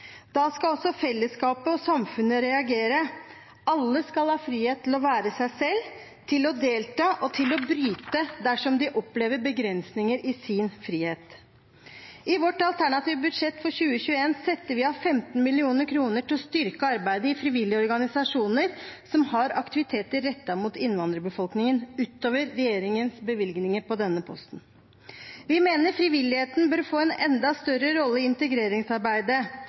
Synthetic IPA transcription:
d̪̥ɑskɑɔsɔfɛlːəskɑːpəɔsɑmfʉnəɾɛɑɡeːɾə | ɑlːəskɑlhɑːfɾiːheːt̪ʰːɪlɔʋæːɾəsæɪsɛlː | t̪ʰɪlɔd̪eːlt̪ɑːʔɔt̪ʰɪlɔbɾyːt̪əd̪æʂɔmd̪ɪʔɔpːleːʋəɾbəɡɾɛnsnɪŋəɾʔɪsɪnfɾiːheːt̪ | ɪʋɔʈɑlt̪ʰæɳɑt̪iːʋəbʉd̪ʂɛt̪ːfɔɾçʉːəçʉːəeːnsɛt̪ːəɾʋɪɑfɛmt̪n̩mɪlɪuːnəɾkʰɾuːnəʈʰɪlɔst̪ʏɾkəɑɾbæɪd̪əɪfɾɪʋɪlːɪɔɾɡɑnɪsɑʂuːnəɾsɔmhɑɾɑkt̪ɪʋɪt̪ʰeːt̪əɾːɛt̪ːɑmuːt̪ɪnːʋɑnd̪ɾəbəfɔlknɪŋənʉːt̪oːʋəɾːɛjeːɾɪŋənsbəʋɪlɡnɪŋəɾpɔd̪ɛnːəpʰɔ̰st̪n̩ | ʋɪmeːnəɾfɾɪʋɪlːɪheːt̪n̩bøːɾfoːɛnɛnd̪ɑst̪œɾəɾɔlːəɪɪnt̪əɡɾeːɾɪŋsɑɾbæɪd̪ə

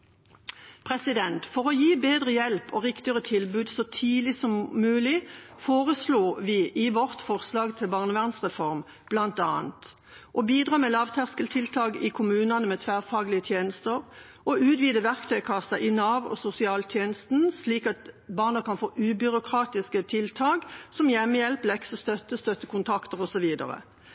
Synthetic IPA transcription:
pʰʁɛsɪd̪ɛnt̪fɔʁɔjiːbeːd̪ʁəjɛlpɔʁɪkt̪ɪəʁət̪ʰɪlbʉːd̪sɔt̪ʰiːlɪsɔmːʉːlɪfoːʁəsloːʋɪːʔɪʋɔʁt̪fɔʁslɑːɡt̪ʰɪlbɑːʁnəʋæʁnsʁɛfɔʁm | b̥lɑnt̪ɑːnt̪ | ʔɔbiːd̪ʁɑːmɛlɑːʋt̪ʰæʁskəlt̪ʰɪlt̪ʰɑːɡɪkʰʊmʉːnɑnəmɛːt̪ʰʋæːʁfɑːɡlɪət̪ʰjeːnəst̪əʁ | ʔɔʉːt̪ʋiːd̪əʋæʁkt̪ʰœʏkʰɑsːɑʔɪnɑːʋɔ̰sʊsɪɑːlt̪ʰjeːnəst̪n̩sliːkɑt̪bɑːʁnəkɑnfoːʔʉbʏɾʊkʰʁɑːt̪ɪskət̪ʰɪlt̪ʰɑːɡsɔmjɛmːəjɛlplɛksəst̪œt̪ːəst̪œt̪ːəkʰʊnt̪ʰɑkt̪əʁɔsɔʋiːd̪ɑ̰ʁə̰

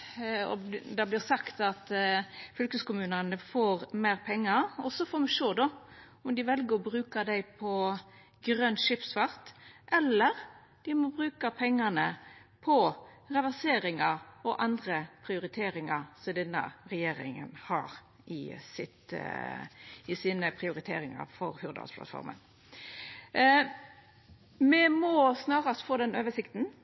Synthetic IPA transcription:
ɔ̰d̪ɑblɪʁsɑkt̪ɑt̪fʏlkəskʊmʉːnənəfoːɾmeːʁpʰɛŋːɑɔsɔfoːmɛʃoːd̪ɔ | ɔmd̪ɪʋɛlɡəɾɔbɾʉːkɑd̪æɪpʰɔ | ɡɾœnʃɪpsfɑʁt̪ʔɛlːəɾ | d̪̥ɪmɔbɾʉːkɑpʰɛŋːɑnəpʰɔ | ʁɑʋæʁseːɾɪŋɑʁɔʔɑnd̪ʁəpʰɾɪʊɾɪt̪ʰeːɾɪŋɑʁsɔd̪ɛnːə̰ɾɛjeːɾɪ̰ŋə̰nhɑ̰ːʁ | ʔɪsɪt̪ | ɪsiːnəpʰɾɪʊɾɪt̪ʰḛːɾɪŋɑ̰ɾfɔɾhʉɾd̪ɑ̰spʰlɑ̰t̪fɔ̰ɾmə̰n | mɛmɔsnɑːʁɑst̪foːd̪ɛnøːʋəsɪkt̪n̩

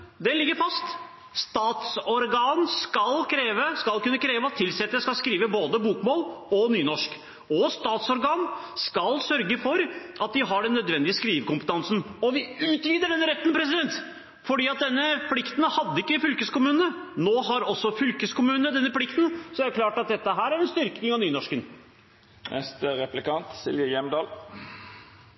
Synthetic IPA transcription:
d̪ɛlɪɡːəɾfɑst̪ | st̪ɑːt̪sɔɾɡɑːnskɑlkʰɾeːʋəskɑlkʉnːəkʰɾeːʋəɑt̪ʰːɪlsɛt̪ːəskɑlskɾiːʋəboːd̪əbuːkmoːlɔnyːnɔʂk | ɔst̪ɑːt̪sɔɾɡɑːnskɑlsœɾɡəfɔɾʔɑt̪̚d̪ɪɦɑɖɛnːœd̪ʋɛnd̪ɪəskɾiːʋəkʊmpə̥t̪ʰɑnsn̩ɔʋɪʉːt̪ʋiːd̪əɖɛnːəɾɛt̪ːnpʰɾɛsɪd̪ɛnt̪ | fɔɖiːɑt̪̚d̪ɛnːəpʰlɪkt̪n̩hɑd̪ːəɪkːəfʏlkəskʊmʉːnnənoːɦɑɾɔsːɔfʏlkəskʊmʉːnəd̪ɛnːəpʰlɪkt̪n̩sɔææɾkʰlɑːʈɑt̪̚d̪ɛt̪ːəɦæːɾæɾɛnst̪ʏɾknɪŋɑʋnyːnɔʂkən | nʔɛ̰st̪əɾɛplɪkɑnt̪sɪ̰lʋjəjɛmd̪ɑːl

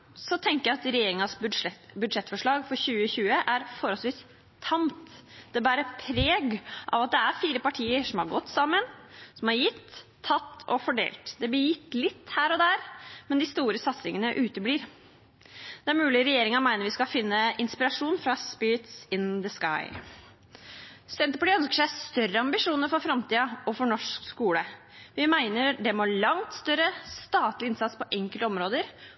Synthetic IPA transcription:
sɔt̪ʰɛŋkəjæɪɑt̪ɾɛjeːɾɪŋɑsbʉd̪ʂɛt̪ːfɔʂɭɑːɡfɔɾçʉːəçʉːəʔæɾfɔɾɔlsʋiːs | t̪ʰɑmt̪d̪̥ɛbɑːɾəpʰɾeːɡʔɑ̰ʋɑt̪̚d̪ɛæɾfiːɾəpɑʈʰiːəʂɔmhɑɾɡɔt̪ːsɑmːənsɔmhɑɾjɪt̪ʰː | ɑt̪ːɔfɔɖḛːlt̪d̪ɛblɪjɪt̪ːlɪt̪ːhæːɾɔd̪æːɾmɛnd̪ɪst̪uːɾəsɑt̪sɪŋənəʔʉːt̪əbliːɾ | d̪̥ɛæɾmʉːlɪɾɛjeːɾɪŋɑmæɪnəɾʋɪskɑfɪnːəɪnspɪɾɑʂuːnfɾɑspɪɾt̪sɪnd̪əskɑ̰ɪ | st̪ɛnt̪əpʈɪœnskəʂæɪst̪œɾːəɑmbɪʂuːnəɾfɔɾfɾɑmt̪iːɑɔfɔɳɔʂkskuːlə | ʋɪmæɪnəɾɖɛmoːɭɑŋt̪st̪œɾəst̪ɑːt̪lɪɪnsɑt̪spɔʔɛŋkəlt̪əɔmɾoːd̪əɾ

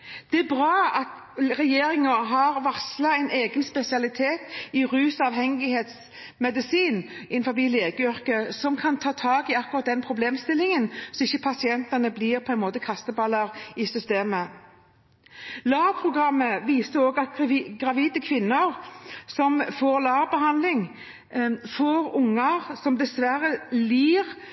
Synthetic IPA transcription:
d̪̥ɛæbʁɑːɑt̪ | ʁɛjeːɾɪŋɑɦɑʁʋɑʁslɑɛɪneːɡənspɛsɪɑlɪt̪ʰeːt̪ɪʁʉːsɑʋɦɛŋɪheːt̪s | mɛd̪ɪsiːnʔɪnfɔɾbiːleːɡəʏʁkəsɔmkʰɑnt̪ʰɑːt̪ʰɑːɡɪɑkːʊʁɑt̪̚d̪ɛnpʰɾʊbleːmst̪ɪlɪŋənsɔɪçːəpʰɑsɪɛnt̪ɑnəbliːʁpʰɔɛnmoːt̪əkʰɑst̪əbɑlɑʁɪsʏst̪eːmə | lɑːʁpʰʁʊɡʁɑmːəʋiːsəɾoːɡɑt̪ɡʁɑʋiːd̪əkʰʋɪnːəʁsɔmfoːʁlɑːʁbəɦɑnlɪŋ | foːʁʊŋːɑʁsɔmd̪ɛsʋæɾəliːʁ

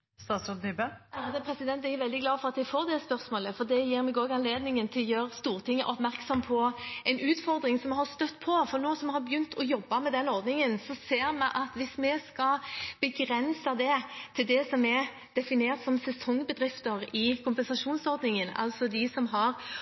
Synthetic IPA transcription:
st̪ɑːt̪sɔt̪ybəd̪əpʰɾɛsɪd̪ɛnt̪ææʋɛld̪ɪɡlɑːfɔɾɑt̪ɛfoːɾd̪ɛspœɾsmoːləfɔd̪ɛjiːɾmɛɡoːɡɑnleːd̪nɪŋənt̪ʰɪljøːɾəst̪uːʁt̪ʰɪŋːə̰ʔɔpmæɾksɔmpʰɔɛɪnʉːt̪fɔɾd̪ɾɪŋsɔmɛhɑst̪œt̪ːpʰɔfɔɾnoːsɔmɛhɑɾbjʏnt̪ʰɔjɔbːɑmɛd̪ɛnɔɾd̪nɪŋənsɔseːɾmɛʔɑt̪ʋɪsmɛskɑb̥əɡʁɛnsɑd̪ɛt̪ʰɪld̪ɛsɔmɛ | d̪̥ɛfɪneːɾt̪sɔmsɛsɔŋːbəd̪ɾɪft̪əɾɪkʰʊmpɛnsɑʂuːnsɔɾd̪nɪŋənɑ̰lt̪sɔd̪ɪsɔmɦɑɾ

